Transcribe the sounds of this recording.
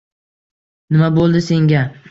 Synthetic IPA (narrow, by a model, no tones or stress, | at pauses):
nɪmabolˠd̪ɪse̞ŋɡʲa